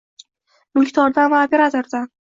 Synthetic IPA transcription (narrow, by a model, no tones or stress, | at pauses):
mʊlˠkʲt̪ʰɒɾd̪anvaːpʲeɾat̪ʰoɾd̪an